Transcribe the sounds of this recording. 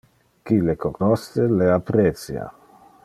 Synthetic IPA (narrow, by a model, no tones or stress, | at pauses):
kilekornɔst̪eleapɾet̪sja̰